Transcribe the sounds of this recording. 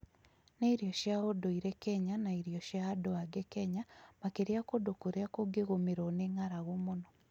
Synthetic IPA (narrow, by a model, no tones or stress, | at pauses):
neiɾjoʃjaɣodoiɾekeɲanaiɾjoʃjaadoaɡekeɲamakeɾjakodokuɾjakoɡeɣomiɾoneŋaɾaɣomono